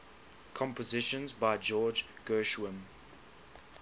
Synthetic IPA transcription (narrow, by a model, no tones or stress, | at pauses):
kʰɔ̃mpəzɪʃə̃nzbaɪd͡ʒɔːd͡ʒɡ̥ɜːʃwə̃m